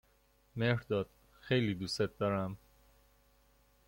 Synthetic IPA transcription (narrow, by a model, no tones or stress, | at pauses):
mehɾd̪ɒːd̪̥ | xejliːd̪uːset̪̚d̪ɒːɾæm